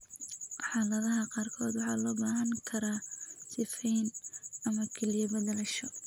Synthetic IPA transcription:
ħɑːlɐðɐɦɐqɑːrkʰɔːd̪wɑħɑ̰ːlɔːbaːɦɐŋkʰɐɾaːsɪfɛjnɐmɐkʰɛlijɐbɐðɐlɐʃɔ

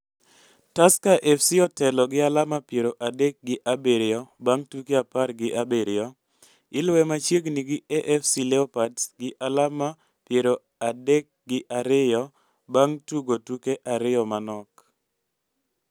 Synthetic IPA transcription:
taskaʔɛfsiɔtɛlɔɡɪalamapjeɾoʔadɛk̚ɡɪʔabeɾɪɔbaŋtukeaparɡɪʔabeɾɪjɔ | ɪlwɛmat͡ʃjeɡniɡɪɛʔɛfsilɛɔpadɡɪʔalama | pjeɾo | adɛk̚ɡɪʔaɾɪjɔ | baŋtuɡotukeʔaɾɪjɔmanɔk

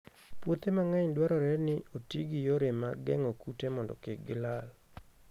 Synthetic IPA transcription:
pwot̪emaŋaɲdwaɾɔɾɛnɪotiɡɪjoɾemaɡɛŋokutemɔndɔ̰keɡɪlal

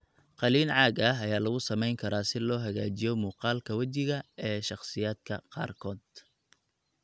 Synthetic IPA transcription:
qɑliːnʕɑːɡɐɦɐjaːlɐɣʊsɐmɛjŋkʰɐɾaːsɪlɔːɦɐɣaːt͡ʃɪjɔmuːqɑːlkʰɐwɐt͡ʃɪɣɐɛːʃɑχsɪjaːd̪̚kʰɐqɑ̰ːrkʰɔːd̪̚

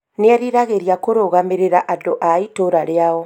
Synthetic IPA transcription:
neɛɾiɾaɣeɾjakoɾoɣameɾeɾaʔadoʔaitoɾaɾeaɔ

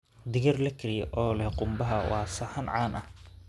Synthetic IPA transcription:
d̪ɪɣɐrlɐkʰɪɾɪjɛʔɔːlɛhqʊmbɐɦɐwɑːsɐhɐnʕɑːnʔɐh

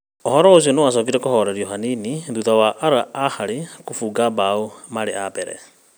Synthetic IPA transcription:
ohɔɾɔos̬iɔnewas̬ɔːk̬iɾɛkohɔɾɛɾiɔɦaniniðuðawaʔːɾaahaɾekofuɡabaomaɾḛabɛɾɛ̰

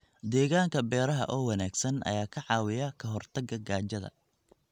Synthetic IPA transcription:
d̪ɛːɣaːŋkʰɐbɛːɾɐɦɐ̰ʔɔːwɑnaːɡsɐnɐ̰jaːkʰɐʕɑːwɪjɐkʰɐɦɔrt̪ʰɐɡɐɡaːt͡ʃɐðɐ̰

